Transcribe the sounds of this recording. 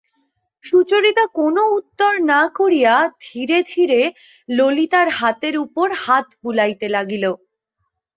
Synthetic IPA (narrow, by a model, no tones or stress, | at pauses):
ʃut͡ɕoɾit̪akonout̪ːoɾnakoɾijad̪ʱiɾed̪ʱiɾe | lolit̪aɾɦat̪eɾupoɾhat̪bulajt̪elaɡilo